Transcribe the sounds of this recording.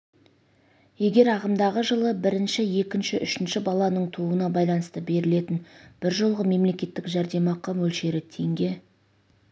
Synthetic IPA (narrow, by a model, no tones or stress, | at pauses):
je̞ɡʲe̞ɾɑʁəmd̪ɑʁəʒəlˠəbɪɾɪnʃɪje̞kʲɪnʃɪʔʏʃɪnʃɪbɑlˠɑnəɴt̪ʰuənɑbɑjlˠɑnəst̪əbe̞ɾɪle̞t̪ɪnb̥ɪɾʒolˠʁəme̞mle̞kʲe̞t̪ːɪkʒæɾd̪e̞mɑqːɑmɵlʃe̞ɾɪt̪ʰe̞ŋɡʲe̞